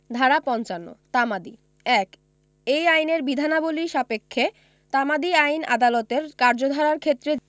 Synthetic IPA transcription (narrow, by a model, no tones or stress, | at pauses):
d̪ʱaɾapɔnt͡ɕanːo̰t̪amad̪i | ɛk | ejajneɾbid̪ʱanaboliʃapekʰːe | t̪amad̪iajna̰d̪alɔt̪eɾkaɾd͡ʑod̪ʱaɾaɾkʰet̪ːɾe